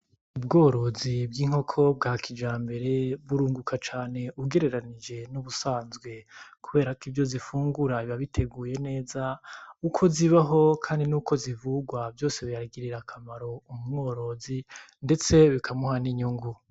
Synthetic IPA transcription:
ubɡoːɾo̞zib̚ɡiːŋ̥ho̞kʰo̞b̚ɡaːkʰid͡ʒaːmbe̞ɾeβuɾuːŋɡukʰat͡ʃaːne̞ʔuɡe̞ɾe̞ɾanid͡ʒe̞nuβusaːnzɡwe̞kuβe̞ːɾakivjo̞zifuːŋɡuɾaiβaβitʰe̞ɡuːje̞ne̞ːzaukʰo̞ziβaɦo̞kʰaːndinuːkʰo̞zivuɡwavjo̞ːse̞βijaɾaɡiɾiɾakʰamaɾo̞umumŋo̞ːɾo̞zi | nde̞t͡se̞βikʰamuhaniɲuŋɡu

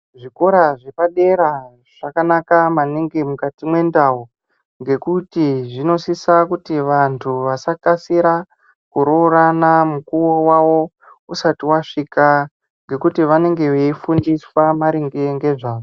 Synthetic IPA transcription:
ʐiko̞ɾaʐepaɗe̞ɾa | ʐ̥akanakamaneŋɡemukatimwe̞ndau | ŋɡe̞kutiʐino̞sisakutiʋantʰuʋasakasiɾa | kuɾoɾanamukuwowawo̞ | usatiwaʂika | ŋɡe̞kutiʋane̞ŋɡe̞ʋeifundiswamaɾiŋɡeŋɡe̞ʐaːʐo

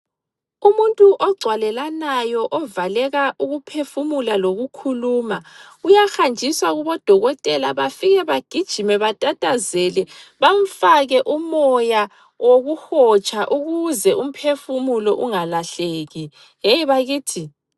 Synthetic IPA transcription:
umuntʼuʔɔɡ͡ǀʱwalɛlanajɔʔɔvalɛɣaʔuɣupʰefumulaloɣukʰuluːma | ujaxand͡ʒʱiswaɣuβɔd̥ʱɔɣɔtʼɛlaβafiɣɛβaɡ̥ʱid̥ʒ̥ʱimɛβatʼatʼazɛlɛβam̩faɣɛʔumɔja | woɣuxɔt͡ʃʼaʔuɣuzɛum̩pʰefumulɔʔuŋalaɬeːɣi | jejiβaɣiːtʰi

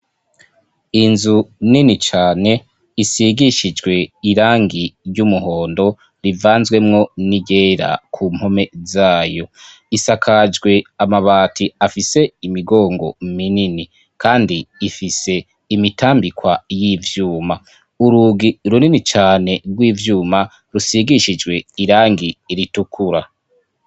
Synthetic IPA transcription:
inzuninit͡ʃaːne̞ | isiɡiʃid͡ʒɡwe̞iɾaːŋɡiɟumuɦo̞ːndo̞ | ɾivaːnzwe̞mŋo̞niɟeːɾa̰kʰuːm̥ho̞me̞zaːjo̞ | isakʰad͡ʒɡwe̞amaβaːtʰiafise̞imiɡo̞ːŋɡo̞̰minini | kʰaːndiːfise̞ | imitaːmbikwajivjuːma | uɾuɡiɾuninit͡ʃaːne̞ɡɡwiːvjuːma | ɾusiɡiʃid͡ʒɡwe̞iɾaːŋɡiɾitukʰuɾa

